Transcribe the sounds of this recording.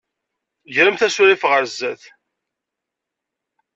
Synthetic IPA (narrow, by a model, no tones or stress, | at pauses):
ʝɾəmθæsʊɾifʁəɾzːæθ